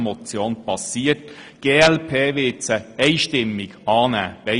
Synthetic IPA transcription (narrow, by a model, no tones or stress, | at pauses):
mɔt͡sjoːnpɑsiːətɡ̥eːɛlpʰeːʋɪt͡səɛɪʃtɪmːɪɡɑːnæ̰ːb̥ɛ